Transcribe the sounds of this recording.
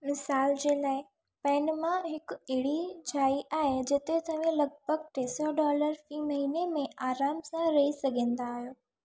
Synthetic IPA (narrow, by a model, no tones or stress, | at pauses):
mɪsaːld͡ʑeːlaːɪ | pɛ̃ːnmãɦɪkɪɦɪɽid͡ʑʰʱaːiʔaːɦed͡ʑɪt̪et̪ɐʋ̤ẽlɐɡ̚bʱəɡ̚ʈ̪eːsɔɖɔːləɾfiːmɐɦinemẽaːɾaːmsãɾɐɦisɐɡʱẽːn̆d̪aːɦijoː